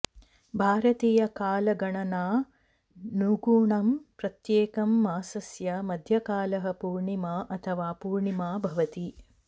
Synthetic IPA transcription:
bʱaːɾɐt̪iːjɐkaːlɐɡɐɳɐnaː | nuːɡuːɳɐmpɾɐt̪jeːkɐmːaːsɐsjɐmɐd̪ʱjɐkaːlɐɦɐpuːɾɳimaːʔɐt̪ʰɐʋaːpuːɾɳimaːbʱɐʋɐt̪i

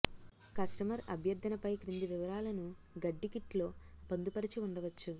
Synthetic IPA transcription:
kɐsʈɐmɐɾɐ̰bʱjɐɾd̪ʱːɐnɐpɐjkɾind̪iʋiʋɐɾaːlɐnu | ɡɐɖːikiʈlo̞ːbɐnd̪upɐɾit͡ʃiuɳɖɐʋɐt͡ʃːu

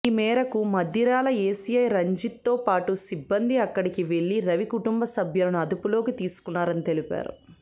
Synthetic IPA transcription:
imɛːɾɐkumɐd̪iɾaːlɐeːsijɐjɾɐɲd͡ʒit̪ːo̞ːpaːʈusibːɐnd̪iɐkːɐɽikiʋe̞ɭːiɾɐʋikuʈumbɐsɐbʱjɐlɐnuɐd̪upulo̞ːkit̪iːsu̥kunːaːɾɐnit̪e̞lipa̰ːɾṵ

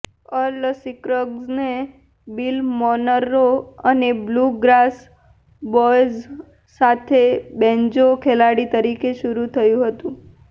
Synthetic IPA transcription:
ələsikɾəɡzne | bilmɔnəɾoənebluɡɾas | bɔjzː | at̪ʰebɛ̃ɲd͡ʒokʰelaɽit̪əɾikeʃuɾut̪ʰəjũɦət̪ũ

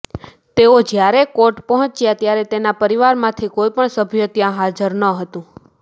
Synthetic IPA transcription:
t̪eod͡ʒjaɾekoʈpəɦɔ̃t͡ʃjat̪jaɾɛt̪enapəɾiʋaɾmãt̪ʰikoipəɳsəbʱjot̪jãɦad͡ʒəɾnəɦət̪ũ

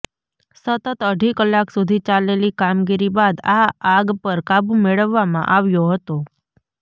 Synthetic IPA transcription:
sət̪ət̪əɖʱikəlːaksud̪ʱit͡ʃalelikamɡiɾibad̪aaɡpəɾkabũmeɭəʋːamã̰ʔaʋjoɦət̪o

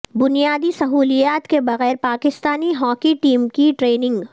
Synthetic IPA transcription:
bʊnijaːd̪isɐɦuːlijaːt̪kebɐɣɛːɾpaːkɪst̪aːniɦɔːkiʈiːmkiʈɾeːnɪ̃ŋɡ

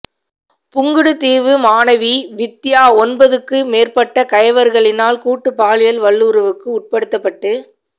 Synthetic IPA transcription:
pʊŋɡɯɽɯt̪iːʋɯmaːnɐʋiʋɪt̪ːɪjaːɔnbɐðɯkːɯmeːrpɐʈːɐkɐjɐʋɐɾɣɐɭɪnaːlkuːʈːɯpaːlɪjɐlʋɐɭːuɾɐʋɯkːɯʊʈ̚pɐɽɯt̪ːɐpːɐʈːɯ

